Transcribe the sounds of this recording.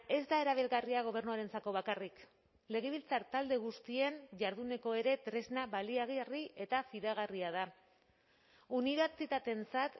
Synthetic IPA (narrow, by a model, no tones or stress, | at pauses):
e̞zd̪ae̞ɾaβ̞ilɣariaɣ̞o̞β̞e̞ɾnuaɾe̞nt͡sako̞β̞akarik | le̞ɣ̞e̞β̞ilt͡saɾt̪ald̪e̞ɣ̞ust̪ie̞nʝaɾðune̞ko̞e̞ɾe̞t̪ɾe̞znaβaliaɣrie̞t̪afiðaɣ̞ariað̞a | uniβ̞eɾt͡sit̪at̪e̞nt͡sat̪